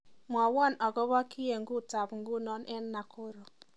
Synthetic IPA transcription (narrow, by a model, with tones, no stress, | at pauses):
m˨ɔ˨wɔ˦˨nɔ˨ɡɔ˦βɔ˦ki˦je˨ŋ˦ɡu˦ta˨pŋ̩˦ɡu˦˨nɔ˦nʔɛ˦nː˦a˨kʰʊ˦ɾo˨